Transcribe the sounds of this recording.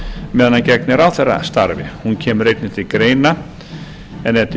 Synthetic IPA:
mɛːðanancɛk̚nɛɾawθɛrːa̰st̪aɾvɪ̰huncʰɛːmrejt̪nɪt̪ʰɪlkɾeːjna | ɛnɛt̪ɪ

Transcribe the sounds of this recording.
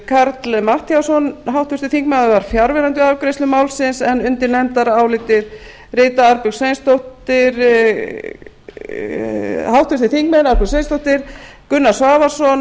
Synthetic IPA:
kʰaɾt̪lmaht̪jawsɔnɦawht̪vʏst̪ɪθiŋkmaðʏvaɾ̥fjaɾvɛɾant̪̬ʏawkɾejst̪ʏmaːwlsɪnsɛnʏnt̪ɪɾnɛmt̪aɾawlɪːt̪ɪɾ̥ | rɪːt̪aaɾpʏɣsejnst̪oht̪ɪɾ | hawht̪vʏst̪ɪθiŋkmɛnaɾpʏsejnst̪owht̪ɪɾ̥kʏnːasvaːvasɔn

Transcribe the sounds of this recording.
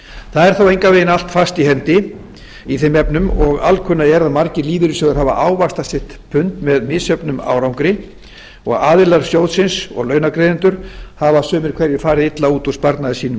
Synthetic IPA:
θaðɛɾ̥θowejŋkaveːjɪnal̥t̪fast̪ihɛnt̪ɪ | iθemɛpnʏmɔɣa̰lkʰʏnːaɛɾaðmaɾcɪliːvɪɾʏsœðʏɾhɦaːva̰ʔaːwvḁst̪asɛht̪pʰʏnt̪mɛðmɪsœpnʏma̰ːwɾawŋkɾɪ | ɔɣaːðɪlaɾ̥sjoːwðsɪnsɔ̰ɣlœːɥnakɾejðɪnt̪ʏɾ̥havasœːmɪɾ̥kʰvɛɾjʏfaːɾɪðɪt̪lauːt̪ɔspaɾt̪naðɪsiːnʏm

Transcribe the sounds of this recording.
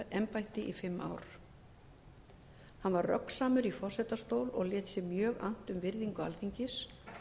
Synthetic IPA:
ʔɛmpajht̪ɪʔifɪmːa̰ːwɾ̥ | hanvarrœ̰ksaːmʏɾifɔr̥sɛt̪ast̪oːwlɔ̰ɣljɛːt̪sɪmjœːɣa̰n̥t̪ʏmvɪɾðiŋkʏa̰lθiɲcɪs

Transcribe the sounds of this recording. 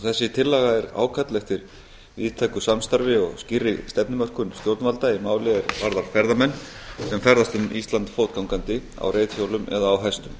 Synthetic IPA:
θɛsːɪt̪ʰɪlːaɣaɛɾa̰ːwkʰat̪lɛxt̪ɪɾ | viːðt̪ʰajkʏsamst̪aɾvɪɔ̰ɣscɪrːɪst̪ɛpnɪmœr̥kʏnst̪jowt̪nalt̪aɪmaːwlɪɛɾvaɾðaɾ̥fɛɾðamɛnːsɛmfɛɾðast̪ʏnist̪lant̪foːwt̪̚kawŋkant̪ɪ | a̰wreːjt̪çjowlʏmɛ̰ðaːwɦɛst̪ʏm

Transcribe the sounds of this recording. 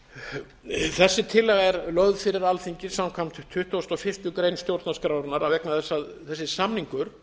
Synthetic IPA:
θɛsːɪt̪ʰɪlːɛɣɛɾlœɣðfɪɾɪɾalθiɲcɪ̥samkʰam̥t̪ʏt̪ʰʏht̪uɔst̪ɔfɪr̥t̪ʏkɾejnst̪jowɾt̪naskɾawɾnaɾavɛknaθɛsːað | θɛsːɪsamniŋkʏɾ̥

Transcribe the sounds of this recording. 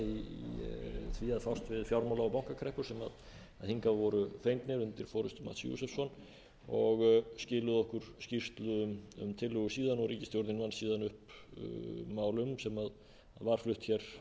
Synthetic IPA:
i | θviaðfawst̪vɪðfjawɾmawlaɔpawŋ̥kakʰɾɛhpʏsɛma̰ð | aðhiŋkavɔɾʏfejŋk̪nɪɾʏnt̪ɪɾ̥fɔːɾʏst̪ʏma̰t̪sjṵsɛfsɔn | ɔɣscɪːlʏðɔhkʏɾ̥scir̥t̪lʏʏmʏ̰mt̪ʰɪlːʏɣʏsiːðanɔɣɾiːcɪst̪jowɾt̪nɪnvansiːðanʏhp | maːwlʏmsɛmað | aðvaɾ̥flʏht̪çɛɾ̥

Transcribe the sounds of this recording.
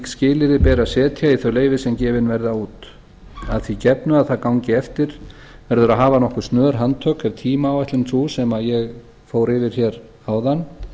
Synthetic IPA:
scɪːlɪɾɪpɛːɾasɛːt̪ʰjaiθœɥleːjvɪsɛmcɛːvɪnvɛɾðauːt̪ | aðθicɛpnʏaðθaðkawɲcɪɛft̪ɪɾ̥ | vɛɾðʏɾaɦaːvanɔhkʏst̪nœːɾ̥ɦant̪ʰœkhɛv̥t̪ʰiːmaːwɛjht̪lɪmt̪ʰuːsɛmaðjɛɣ | foːwɾɪvɪɾ̥çɛɾ | aːwðanː

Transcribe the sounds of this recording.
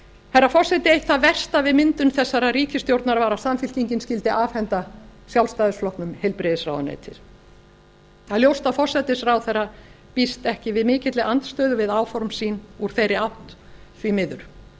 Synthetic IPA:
hɛrːafɔrsɛt̪ɪejht̪θavɛr̥st̪avɪðmɪnt̪ʏnθɛsːaɾaɾiːcɪst̪jowɾt̪naɾvaɾasamfɪl̥ciɲcɪnscɪlt̪ɪʔaːvhɛnt̪asjawlst̪ajðʏsflɔhknʏmhejlpɾɛðɪsra̰wðanḛːjt̪ʰɪ̰ɾ̥ | θaðljowst̪afɔrsɛt̪ɪsɾawθɛrːa | pist̪ɛhcɪvɪðmɪːcɪt̪lɪʔant̪st̪œːðʏvɪðaːwfɔɾmsiːnuɾ̥θejɾɪawht̪ | θvimɪðʏɾ

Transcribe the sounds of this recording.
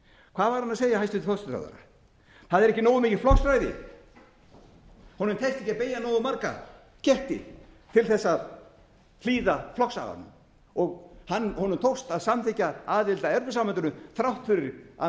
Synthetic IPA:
kʰvaːðvaɾhanːaseːjahajst̪ʏnt̪ɪfɔst̪θa̰ða̰ɾa̰ | θaðɛɾɛhcɪnoːwʏmiːcɪ̥flɔksɾajðɪ̰ | hɔnʏmt̪ʰɛht̪ɛhcapeːjanowðʏmaɾka̰ | cɛht̪ɪ̰ | t̪ʰɪlθɛsːað | fʰliːðaflɔksa̰ɣa̰nʏ̰ | ɔɣhanːhɔnʏmt̪ʰowst̪aðsamt̪ʰɛcaaːðɪlt̪aɛɾvʏsamant̪ʏnʏθɾawht̪fʏɾɪɾa

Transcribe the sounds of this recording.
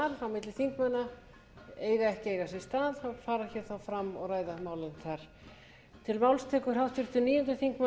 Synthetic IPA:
aɾawmɪt̪lɪθiŋkmanːa | eːjɣaɛhcɪejɣasɛ̥st̪aːðhawfaːɾaçɛːɾθawfɾamːɔ̰ɣraːjðamaːwlɪnθʰaɾ̥ | t̪ʰɪlmawlst̪ʰɛːkʏ̥hawht̪fʏɾ̥t̪ʏniːjɔnt̪ʏθiŋkma

